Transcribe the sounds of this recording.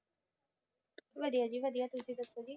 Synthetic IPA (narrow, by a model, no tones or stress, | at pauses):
ʋəd̪ijaːd͡ʒiːʋəd̪ijaːt̪ʊsĩːd̪əsoːd͡ʒiː